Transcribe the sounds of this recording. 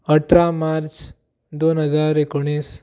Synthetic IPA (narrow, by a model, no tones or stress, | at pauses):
əʈʰɾamaɾt͡ʃ | d̪onɦəd͡zaɾekoɽ̃is